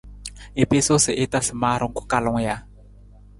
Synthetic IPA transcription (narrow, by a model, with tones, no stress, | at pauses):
e˨pe˦so˦sɪ˨ʔɪ˦ta˦sɪ˨maː˦ɾʊ˦ŋ̩˦kʊ̥˦ka˨lʊ˦ŋ˦ja˦